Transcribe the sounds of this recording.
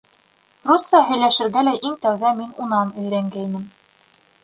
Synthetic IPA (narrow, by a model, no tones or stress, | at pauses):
rusːɑɦɵ̆jlæʃɘ̆ɾɡælæʔiŋt̪æwðæminunɑnɵ̆jɾæŋɡæinɘm